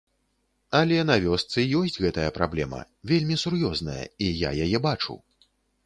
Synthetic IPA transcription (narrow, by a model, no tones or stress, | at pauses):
ɐlʲɛnɐvʲɔst̪sɨjɔsʲt͡sʲɣɛt̪ɐjɐpɾablʲɛmɐ̰ | vʲelʲmʲisurjɔznɐjɐ̰ija̰jajɛbat͡ʂṵ